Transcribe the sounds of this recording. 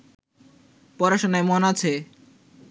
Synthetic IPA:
pɔɾaʃonaemonat͡ɕʰe

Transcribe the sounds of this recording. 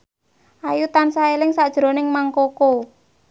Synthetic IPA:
ʔajut̪ansaelɪŋsad̥ʒ̥ɾo̤nɪŋmaŋkoko

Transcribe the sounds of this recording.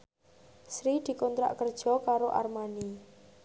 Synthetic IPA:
sɾid̪̥i̤kont̪ɾa̰ʔkərd̥ʒ̥ɔ̤kaɾoʔarmani

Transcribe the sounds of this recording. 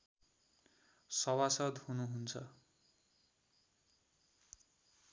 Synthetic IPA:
sʌwasʌd̪hunuɦunt͡sʰʌ

